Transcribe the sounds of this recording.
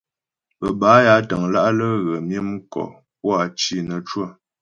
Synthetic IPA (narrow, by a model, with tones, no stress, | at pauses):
pə˨ba˨˦ja˨˦tə˨ŋla˦ʔlə˦ɣə˨mjə˦m˦kɔ̰˨ | p̚wa˨t͡ʃi˦˨nə˨t͡ʃwə˦˨